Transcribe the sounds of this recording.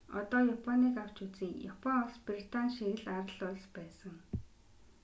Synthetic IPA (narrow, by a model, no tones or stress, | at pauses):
ɔ̰t̪ɔːjapʰɔniːkaw̥t͡ɕut͡siːjapʰɔŋɔɮsprit̪anʃiɣɘ̆ɮaɾə̆ɮʊɮspæːsə̆ŋ